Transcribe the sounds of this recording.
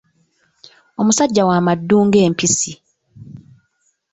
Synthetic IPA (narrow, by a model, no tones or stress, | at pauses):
o̞musaɟːawaːmadːuːŋɡe̞ːmpisi